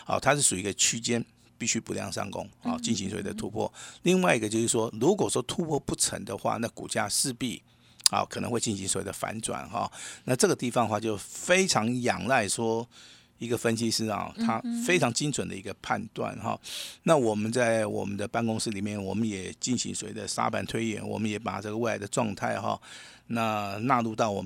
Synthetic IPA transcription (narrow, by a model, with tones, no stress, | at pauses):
ɑ̰˨˩t̪ʰa˦˥ʂɻ̩˥˩ʂu˨˩i˧˥ɡə˧t͡ɕʰy˥t͡ɕjɛ˥n | pi˥˩ɕy˥pu˧˥ljɑ̰˥˧ŋʂa̰˥˩ŋkʊ̰˥ŋhɔ̰˨˩t͡ɕi˥˩nɕ̬i˧˥ŋswɔ˨˩wḛ˥˩d̪ə˧t̪ʰu˦˥pʰwɔ̰˥˩li˥˧ŋwa˥˧ɪi˥˩ɡə˨t͡ɕjo˥˧ʊʂɻ̩˥˩ʂwɔ˥lu˧˥k̬wɔ˨˩ʂwɔ˥t̪ʰu˥pʰwɔ˥˧pu˥˩ʈ͡ʂʰə̰˧˥ŋd̪ə˨xwa̰˥˧na˥˩kṵ˨˩t͡ɕja̰˥˧ʂɻ̩˥˧pi˥˩ | ɑ̰˨˩kʰɤ˨˩n̰˧˥ŋxwe˧t͡ɕi˥˩nɕi˧˦ŋswɔ˨˦wḛ˥˩d̪ə˨fa̰˧˥nt͡swa̰˨˩nxɑ̰˨˩na˥˧ʈ͡ʂɤ˥˩ɡə˩t̪i˥˩fɑ˨˦ŋə˧xwa˥˧t͡ɕjo˥˩ʊfe˥ɪʈ͡ʂʰɑ˧˥ŋjɑ˨˩ŋla˥˩ɪʂwɔ˥ | i˧˥ɡə˨fə˦˥nɕi˥ʂɻ̩˥˩ɐ̰˨˩t̪ʰa˥fe˥ɪʈ͡ʂʰɑ˧˥ŋt͡ɕi˥ŋt͡sʰwə˨˩nd̪ə̰˦i˧˥ɡə˧pʰa̰˥˧nt̪wa̰˥˩nxɑ̰˩na˥˩wɔ˨˩mə˦nt͡sa˥˩ɪwɔ̰˨˩mə˦nd̪ə˧pa˥˧nkʊ˥ŋs̩˥li˨˩mjɛ˥˩nwɔ˨˩mə˦njɛ˨˩t͡ɕi˥˩nɕḭ˧˦ŋswwe˥˩d̪ə˨sa̰˥pa˨nt̪ʰwe˥ɪjɛ̰˥˨˩nwɔ̰˨˩mə˦njɛ˧˥pa̰˨˩ʈ͡ʂɤ˥˩ɡəwe˥˩ɪla˧˥ɪd̪ə˧ʈ͡ʂwɑ˥˧ŋt̪ʰa˥˩ɪxɑ̰˩ | na˥˧na˥˧lu˥˧t̪ɑ˥˩ʊwɔ˨˩m